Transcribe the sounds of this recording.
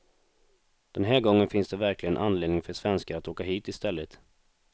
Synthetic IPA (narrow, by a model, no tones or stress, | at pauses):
d̪̥ɛnɦæːɾɡɔŋːənfɪnsd̪ɛvæɾklɪɡənʔanːleːd̪nɪŋfœʂvɛnskaat̪oːkaɦiːt̪ɪst̪ɛlːət̪